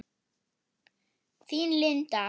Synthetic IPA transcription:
θinlɪnt̪a

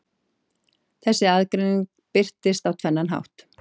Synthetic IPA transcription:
θɛsːɪaðkɾɪnɪŋk | pɪr̥t̪ɪst̪awt̪ʰvɛnːanɦa̰wht̪

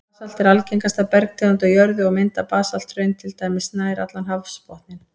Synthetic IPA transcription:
sal̥t̪ɪɾalciŋkast̪apɛɾk̚t̪ʰɪɔt̪ajœɾðʏɔɣmɪnt̪apaːsal̥t̪ɾœɥnt̪ʰɪlt̪aːjmɪsnaːjɾa̰t̪lanɦavspɔht̪nɪn

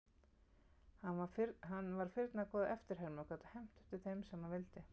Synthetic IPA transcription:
haaɾɦanːvaɾ̥fɪɾt̪nakʰɔːðɪʔɛft̪ɪɾ̥ɦɛɾmawkʰvat̪ḁhɛm̥t̪ʏ̥ht̪ɪθejmsɛmhanvɪlt̪ɪ

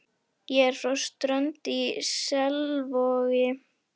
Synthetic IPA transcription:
jɛɾrɔst̪ɾœnt̪isɛlvɔːɣɪ

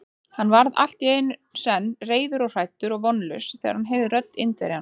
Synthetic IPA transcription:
hanːvaɾða̰l̥t̪jeːjnsɛnːreːjðʏɾɔɣr̥ajt̪ʏɾɔɣvɔnːlʏsθɛ̰ːɣaɾ̥hanɦeːvðɪɾœt̪nɪ̰nt̪vɛ̰ɾɪhan

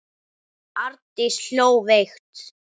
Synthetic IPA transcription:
aɾt̪ɪsl̥oːwvext̪

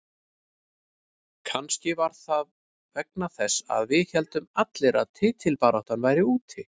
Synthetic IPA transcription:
kʰanscɪvaɾ̥θað | vɛk̚naθɛsːa̰ðvɪðçɛlt̪ʏmat̪lɪɾa̰ðt̪ʰɪːt̪ʰɪlpaːɾɔht̪anvajɾɪuːt̪ʰɪ

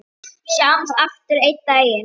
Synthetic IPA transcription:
sjawmsaft̪ʏɾejt̪̚t̪ajɪ

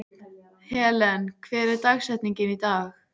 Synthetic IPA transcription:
hɛːlɛnkʰvɛːɾɪɾt̪aɣsɛt̪niɲcɪnit̪aːx

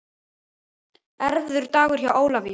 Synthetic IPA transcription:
ɛɾvðʏɾ̥t̪aːɣʏɾ̥çawʔoːwlavɪ

